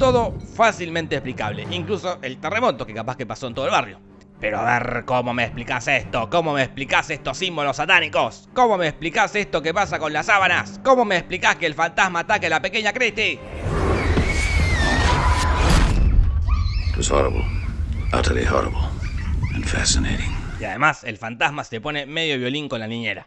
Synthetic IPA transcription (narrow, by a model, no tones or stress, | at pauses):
t̪o̞ðo̞fasilmẽnt̪eːplika̰βleʔiŋkluso̞ʔelt̪eremo̞t̪o̞kekapaskepasoent̪olβarjo | peɾoa̰βeɾkomo̞meːsplikasest̪okomo̞meːsplikasest̪o̞simbolosat̪anikoskomo̞meːsplikasest̪o̞kepasakõ̞nlasaβanasko̞mo̞meːsplikaskeːlfant̪asmaːt̪akelapeke̞ɲakɾist̪i | ɪt̚wʌz̥hɔ̰ɹə̰bl̩ˠa̰ɾə˞lˠḭhɔ̰ɹə̰bl̩ˠɨ̃nfæ̰sɨneɪɾɪ̃ŋiaðe̞mase̞lfant̪asmasepo̞ne̞meðjo̞βjo̞liŋko̞nlanĩɲeɾa